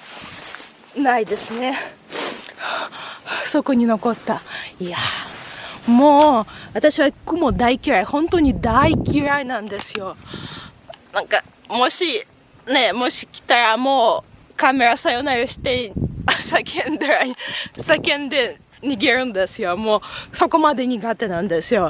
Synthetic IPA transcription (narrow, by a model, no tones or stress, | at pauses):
naid̪e̞sɨne | so̞koɲ̟ino̞ko̞t̪ːaia | mo̞ːβat̪aɕiβaikːomo̞d̪aikʲiɾaihõ̞nt̪o̞ɲ̟id̪aikʲiɾainãnd̪e̞sɨjo̞ | nãŋka | mo̞ɕi | ne̞mo̞ɕi̥kʲi̥t̪aɾamo̞ːkame̞ɾasajonaɾɯɕi̥t̪e̞sakʰẽnd̪ɯɾaisakẽ̞nd̪e̞ | ɲ̟iɡe̞ɾɯ̟̃nd̪esɨjo̞mo̞ːso̞ko̞mad̪e̞ɲ̟iɡat̪e̞nãnd̪e̞sɨjo̞